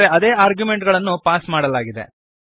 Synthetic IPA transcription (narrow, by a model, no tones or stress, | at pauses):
ɾeɐd̪e̞ːaːɾɡjume̞ɳʈɡɐɭɐnːupaːsmaːɽɐlaːɡid̪ḛ